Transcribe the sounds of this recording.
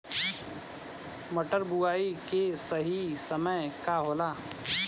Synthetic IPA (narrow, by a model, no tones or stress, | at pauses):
məʈəɾbuaːikesəɦisəməjkaɦoːlaː